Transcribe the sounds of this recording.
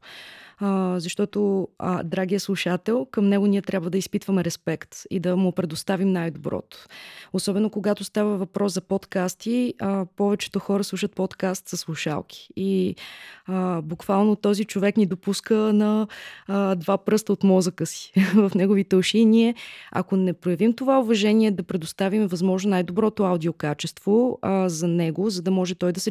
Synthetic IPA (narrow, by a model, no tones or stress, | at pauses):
zɐʃt̪ɔt̪o̰d̪ɾaɡiəslˠuʃat̪ɛlˠkəmnɛɡʊniɛt̪ɾjabvəd̪ɐispit̪vəmɛɾɛspɛkt̪ḭd̪ɐmʊpɾɛd̪ost̪avimnajd̪obɾɔ̰t̪ʊ̥osɔbɛnokoɡat̪ost̪avəvɐpɾʔɔszɐpɔt̪kast̪iəpɔvɛt͡ʃɛ̥t̪oxɔɾəslˠuʃət̪̚pɔt̪kast̪sɐslˠuʃa̰lˠk̟ʰi̥i | əbukvalˠnot̪ɔzit͡ʃovɛknid̪opuskənɐ | d̪vapɾɤst̪əot̪mɔzəkəsi̥vɐfnɛɡovit̪əlʃiniɛɐ̰konɛpɾojɐvimt̪ovaʊvɐʒɛniɛd̪ɐpɾɛd̪ost̪avimɛvɐzmɔʒnonajd̪obɾɔt̪oawd̪iokat͡ʃɛst̪vozɐnɛɡozɐd̪ɐmɔʒɛt̪ɔjd̪ɐsɛ